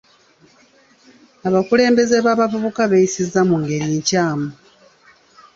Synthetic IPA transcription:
aβakule̞ːmbe̞ze̞βaːβavuβukaβeisizːamuŋɡe̞ɾiɲcaːmu

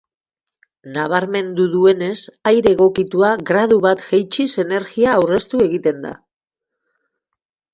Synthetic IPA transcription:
naβ̞aɾme̞nd̪uðue̞ne̞sajɾe̞ɣ̞o̞kit̪uaɣɾað̞uβat̪ʝejt͡ʃise̞ne̞ɾɣiaːwre̞st̪ue̞ɣit̪e̞nd̪a̰

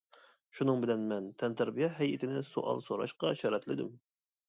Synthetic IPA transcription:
ʃunɨŋbɪlɛnmɛnt̪ʰɛnt̪ʰæɾbijɛɦɛjɪt̪ʰɪnɪsoʔɑ̰lˠsoɾɑ̰ʃqɑʃɑɾɛt̪lɪd̪ɪ̰m

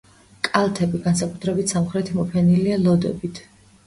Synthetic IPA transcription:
kʼalˠt̪ʰɛbiɡansakʼut̪ʰɾɛbit̪ʰsamχɾɛt̪ʰimɔpʰɛnilialˠɔd̪ɛ̰bit̪ʰ

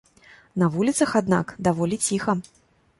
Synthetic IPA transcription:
nɐvulʲit̪sɐxad̪na̰kd̪avɔlʲit͡sʲixɐ

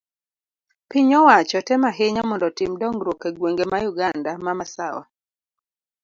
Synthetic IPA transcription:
piɲɔwat͡ʃɔtɛmaɦeɲamɔndɔtimdɔŋɡɾokeɡweŋɡemajuɡandamamasawa̰

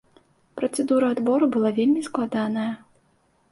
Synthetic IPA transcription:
pɾɐt̪sɛd̪uɾɐːd̪bɔɾubɨlˠavʲelʲmʲisklˠad̪anɐjɐ

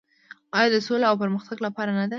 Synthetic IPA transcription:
ɑjɑd̪əsolaawpəɾməxt̪aɡlapɑɾanad̪a

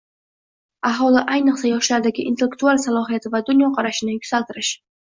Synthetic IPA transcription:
aɦɒlˠɪʔajnɨqsajɒʃlaɾd̪aɡʲɪ̰ʔḭnt̪ʰelːek̚t̪ualˠsalˠɒɦijat̪ʰɪvad̪ʊnjɒqʰɑɾaʃɪnɪjʊkʲz̥alˠt̪ɪɾɪʃ

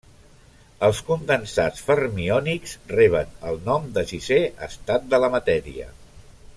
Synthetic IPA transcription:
əlˠskund̪ənsa̰t͡sfərmiɔniksrɛβ̞ənəlˠnɔmd̪əʒiseə̰st̪at̪̚d̪ələmət̪ɛɾḭə̰

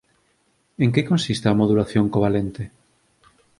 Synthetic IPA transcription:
eŋkekõnsist̪ɪamoðulaθjoŋkoβalent̪e

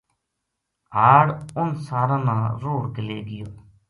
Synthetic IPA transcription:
ɦaːɽʊnsaːɾãːnãːɾoːɽkɪleːɡɪjoː

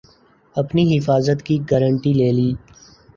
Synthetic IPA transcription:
ɐpniɦɪfaːzət̪kiɡəɾəɳʈileːliː

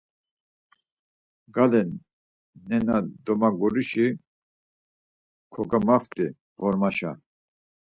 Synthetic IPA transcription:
ɡalɛnː | ɛnad̪ɔmaɡɔɾiʃi | kʰɔɡamaft̪ʼi | ʁɔɾmaʃa

